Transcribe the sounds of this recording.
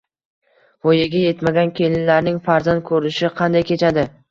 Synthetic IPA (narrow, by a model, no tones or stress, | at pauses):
vojaɡʲaje̞t̪maɡʲankʲʰe̞lɪnlaɾnɪŋfaɾzand̪̚kʰɵɾɪʃɪqʰɑnd̪ajkʲe̞t͡ʃʰad̪ɪ